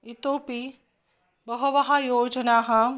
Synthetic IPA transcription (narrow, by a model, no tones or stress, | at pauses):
it̪oːpi | bɐɦɐʋɐɦɐjoːd͡ʒɐnaːɦɐ